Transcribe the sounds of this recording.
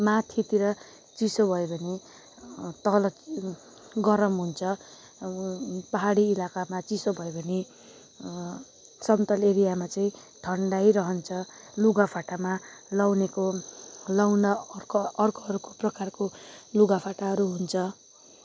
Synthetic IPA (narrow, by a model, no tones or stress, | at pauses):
mat̪ʰit̪iɾʌ | t͡sisobʱʌjebʱʌne | t̪ʌlʌ | ɡʌɾʌmɦunt͡sʰʌ | pʌɦaɽiːlakamat͡sisobʱʌjobʱʌne | sʌmt̪ʌleɾijamat͡saĩ | ʈʰʌɳɖajɾʌɦʌnt͡sʰʌ | luɡapʰaʈamalawnekolawnarkːrkʌɦʌɾukoprʌkarkoluɡapʰaʈaɦʌɾuɦunt͡sʰʌ